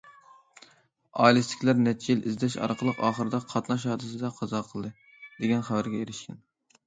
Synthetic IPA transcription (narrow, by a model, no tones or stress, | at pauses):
ɑlˠɨst̪ɪ̥kʲlæɾnɛt͡ʃilʔizd̪ɛʃɑ̰ɾqʰəlˠəqɑːχəɾɨd̪ɑqʰɑt̪nɑʃ̬hɑːd̪ɨs̬ɨd̪ɛqʰɑzɑqʰəlˠd̪ɨ | d̪̥eɡʲɛnχævæɾɡʲɛeɾɪʃkʲɛn